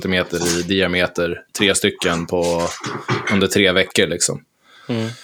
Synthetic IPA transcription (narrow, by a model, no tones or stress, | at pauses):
t̪ɪmeːt̪əɾɪd̪ɪameːt̪əɾt̪ʰɾeːst̪ʏkːənpʰɔ | ɵnd̪əʈʰɾeːvɛkːəɾɭɪksɔ̰m